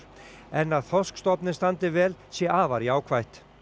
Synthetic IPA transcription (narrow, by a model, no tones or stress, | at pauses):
ɛnaðθɔskst̪ɔpnɪst̪ant̪ɪvɛːlsjɛʔaːvaɾiaːwkʰvajht̪